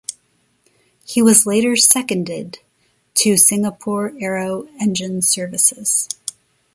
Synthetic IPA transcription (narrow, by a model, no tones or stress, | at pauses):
hiwʌzleɪɾə˞sɛkɨ̃ndɪd̚ | tʰɨsɪ̃ŋəpʰɔɹɛɹoʊɛ̃nd͡ʒɨ̃nsɜ˞vɨsɪz̥